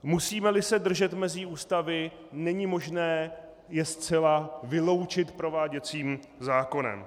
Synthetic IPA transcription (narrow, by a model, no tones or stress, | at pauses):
musiːmɛlɪsɛdr̩ʒɛt̪mɛzɪuːst̪avɪ | nɛɲɪmo̞ʒnɛː | jɛst͡sɛlavɪlo̞wt͡ʃɪt̪pɾo̞vaːɟɛt͡siːm | zaːko̞nɛ̰m